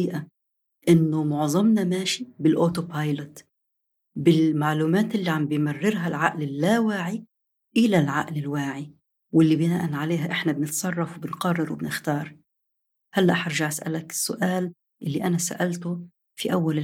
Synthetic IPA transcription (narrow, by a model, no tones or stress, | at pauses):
iːʔa | ʔɪnːʊmʊʕðˤɑmnamaːʃibɪlʔoːt̪opajlʊt̪ | bɪlmaʕluːmaːt̪ʔɪlːiʕambjmarːɪɾɦalʕaʔlɪlːawaːʕi | ʔɪlalʕa̰ʔlɪlwaːʕi | wɪlːibɪnaːʔanʕaleːɦaʔɪħnabnɪt̪sˤɑrˤːɑfwbɪnqɑrˤːɑɾwɪ̰bnɪxt̪ɑːɾˤ | halːaʔħɑɾˤʒaʕʔasʔa̰lakɪ̥sːʊʔaːl | ʔɪlːiʔanasa̰ʔalt̪ʊ | fiʔawːalɪ